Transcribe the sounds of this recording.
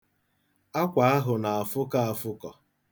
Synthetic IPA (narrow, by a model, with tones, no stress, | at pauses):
a˦kʷa˨a˦ɦʊ˨na˨a˨fʊ˦ka˦a˨fʊ˦kɔ˨